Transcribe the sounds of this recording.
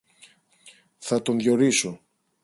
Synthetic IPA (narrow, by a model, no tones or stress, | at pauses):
θɐt̪onðʝo̞ɾiso